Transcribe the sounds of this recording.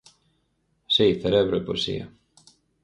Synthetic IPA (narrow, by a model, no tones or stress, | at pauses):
siθeɾeβɾoepoesḭo̰